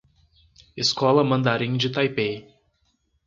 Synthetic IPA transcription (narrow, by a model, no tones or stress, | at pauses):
ɪskɔlɐmɐ̃nd̪aɾĩŋd͡ʒɪt̪ajpej